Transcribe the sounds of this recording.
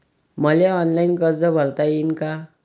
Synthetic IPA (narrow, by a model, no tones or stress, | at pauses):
mʌlaɔnlajnkʌɾd͡zʌbʱʌɾt̪ainka